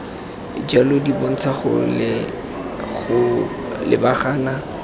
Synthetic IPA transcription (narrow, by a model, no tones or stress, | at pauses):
d͡ʒalodibon̩t͡sʰaχʊ̰lɪ | ɣʊ | lɪ̰baχaːna